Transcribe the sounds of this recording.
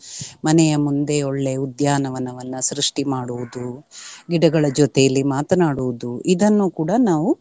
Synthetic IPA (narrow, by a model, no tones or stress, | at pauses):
mɐnɛjɐmund̪e̞oɭːe̞ud̪jaːnɐʋɐnɐʋɐnːusɾuʂʈimaːɽuʋud̪uɡiɽɐɡɐɭɐd͡ʒɔt̪ejɐlːimaːt̪ɐnaːɽuʋud̪uid̪ɐnːuːkuːɽɐnaːʋu